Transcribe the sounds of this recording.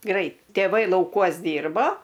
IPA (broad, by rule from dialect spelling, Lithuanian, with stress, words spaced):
ˈɡrɐɪt tʲeːˈʋɐɪ lˠɐʊˈkuɔs ˈdʲiːrboː